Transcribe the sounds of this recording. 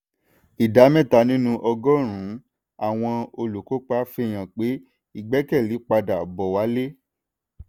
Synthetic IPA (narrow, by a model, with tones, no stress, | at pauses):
i˨da˨˦mɛ̃˦˨ta˨˧nĩ˦nũ˦ʔɔ˧ɡɔ˦˨ɾ̃ũ˨˦ | a˨w̃ɔ̃˧o˧lu˨ko˨˦k͡pa˦fe˦˨j̃ã˨k͡pe˨˦ | i˦˨ɡ͡bɛ˦kɛ˦˨li˨˦k͡pa˧da˨bɔ˨wa˨˦le˦